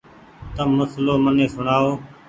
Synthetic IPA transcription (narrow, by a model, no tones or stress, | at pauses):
t̪əmːʊsloːmənẽːsʊɳaːoː